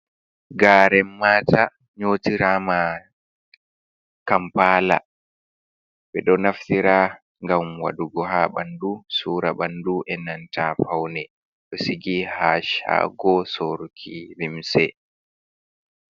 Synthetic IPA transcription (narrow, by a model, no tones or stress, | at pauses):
ɡaːɾɛmːaːta | ɲoːtiɾaːma | kampaːla̰ | ɓɛɗɔnaftiɾaː | ŋɡamwa̰duɡɔɦaɓandusuːɾaɓanduʔɛnantafawnɛ | ɗɔsiɡihaʃa̰ɡɔsoɾkʰivimsɛ